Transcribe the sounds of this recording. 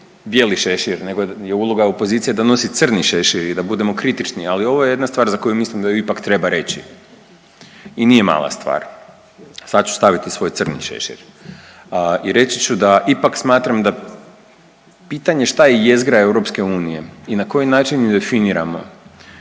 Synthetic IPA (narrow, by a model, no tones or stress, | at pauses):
bje̞ːliʃe̞ʃiɾne̞ɡoje̞ulˠoɡao̞po̞ziːt̪sijed̪ano̞sit̪sər̩niʃe̞ʃiɾid̪abud̪e̞mo̞kɾit̪it͡ʃnialio̞ʋo̞jee̞d̪nast̪ʋaːɾzako̞jumislimd̪ajuipakt̪ɾe̞baɾe̞t͡ɕḭ | iniːje̞ma̰lˠa̰st̪ʋa̰ːɾ | sad̪̚t͡ʃu̥st̪aʋit̪isʋo̞j̪sɨr̩nḭʃḛʃḭɾ | iɾe̞t͡ɕit͡ʃud̪aʔipaksmaːt̪ɾamd̪a | piːt̪aɲe̞ʃt̪ajejezɡɾae̞wɾo̞pske̞uːnije̞inako̞jinaːt͡ʃinmid̪e̞finiɾa̰mo̞̰